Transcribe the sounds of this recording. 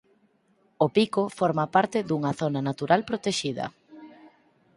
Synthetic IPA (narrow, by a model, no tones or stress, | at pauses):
opikofɔɾmapaɾt̪ɪðuŋɐθonɐnat̪uɾalpɾot̪eʃiðɐ̰